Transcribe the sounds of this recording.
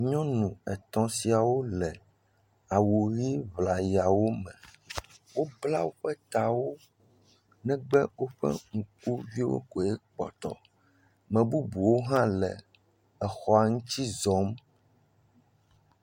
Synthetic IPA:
ɲɔ̃˦nũ˨ɛ˨t̪ɔ̃˨si˨a˨wo˦lɛ˨ | a˨wu˨ɣi˦vla˨ja˨wo˦mɛ̃˨ | wo˦bla˦wo˦ɸɛ˦t̪a˨wo˦ | nɛ̃˦ɡ͡bɛ˦wo˦ɸɛ̰˦ŋu˨ku˦vi˦wo̰˦kɔ˨ɛ˦k͡pɔ̰˨t̪ɔ̰˨ | mɛ̃˨bu˦bu˨wo˦ɦã˦lɛ˨ | ɛ˨xɔ˨a˨ŋũ˦t͡ɕi˦zɔ̃˨˦m

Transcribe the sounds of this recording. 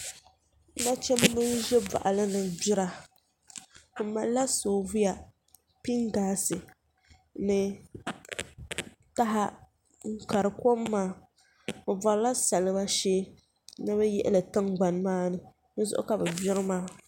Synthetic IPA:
na˦t͡ʃɛ˦m˦mɨ˦n˦ʒɛ˦ba̰˨ʔa˨lɨ˦nɨ˨bɪ˦ɾa˨ | ma˨lla˦soː˨vu˦ja˨ | pi˦ŋɡaː˨˦sɨ˨ | nɨ˨ | ta˦ɦa˦ | ŋ̩˦ka˨ɾɨ˨ko˦mːaː˦ | bʊ˨ba˨ɾla˦sa˨lɨ˦ba˦ʃeː˦ | nɨ˦bɛ˦jɛ˦ʔɛ̰˦lɨ˨tɨ˦ŋɡ͡ba˨n˨maː˦nɨ˨ | nɨ˦zʊ̰˦ʔʊ̰˦ka˨bɛ˨bɪ˦ɾɨ˦maː˦

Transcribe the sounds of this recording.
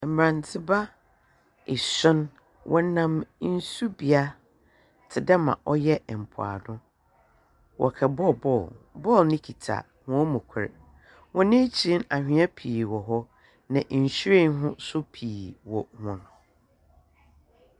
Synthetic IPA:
m̩˨m˨ã˨ntʰɪ˦ba˦ | ɪ˨sʊ̃˦n | wʔɔ˦nã˨mn̩˦su˦bi˨a˦ | tʰɪ˨dɛ˦mã̰˨ʔɔ˦jɛ˦˨m̩˨pʰʊ̰˨a̰˨dʊ̃˦ | wʔɔ̰˨kʰɛ˨bɔ˦bɔ˦˨bɔ˦˨lnɪ̃˦kʰi˨tʰa̰˨ | hʊ̃˦ɔ˦mʊ̃˨kʷʰɛ̰˨ɾ | wɔ̃˦nɪ̃˦t͡ɕʰi˨i˦na˨hᶣɪ̃˨˦a˦pʰiː˨wɔ˨ɦɔ˦ | nã˨ʔn̩˨ɕɾe˦˨n˦ɦʊ̃˦sʊ˦pʰiː˨wɔ˨hʊ̃˨nʊ̃˨

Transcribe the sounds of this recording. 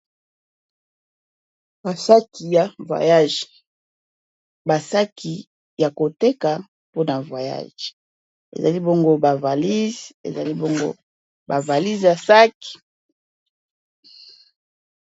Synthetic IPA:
ba˨sa˦ki˨ja˨vwa̰˨ja˦ʒ | ba˨sa˦kʰi˨ | ja˨ko˨te˦ka˨ | po˦na˨vwa˨ja̰˦ʒ | ḛ˨za̰˨li˦bo˦ŋɡo˦ba˨va˨li˦zḛ˨za˨li˦bo˦ŋɡo̰˦ | ba˨va˨li˦zja˨sa˦ki̥˨

